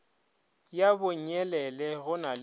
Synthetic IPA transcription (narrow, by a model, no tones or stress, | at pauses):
jabʊɲ̩ɛlɛlɛɣʊnal